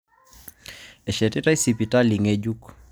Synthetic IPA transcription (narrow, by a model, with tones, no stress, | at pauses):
ɛ˨ʃɛ˨ti˦ta˦i˦sipi˨ta˦li˨ŋɛd͡ʒuk